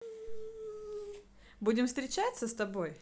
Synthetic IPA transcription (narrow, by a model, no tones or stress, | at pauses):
budʲɪmfst̪ɾʲɪt͡ɕat̪səst̪ɐbo̞j